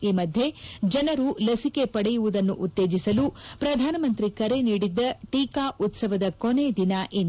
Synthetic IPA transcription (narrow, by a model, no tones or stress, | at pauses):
iːmɐd̪ʱje̞d͡ʒɐnɐɾulɐsike̞pɐɽɛjuʋud̪ɐnːṵʔut̪ːe̞ːd͡ʒisɐlupɾɐd̪ʱaːnɐmɐnt̪ɾikɐɾe̞niːɽid̪ːɐʈiːkaːʔut̪sɐʋɐd̪ɐkoned̪inɐʔen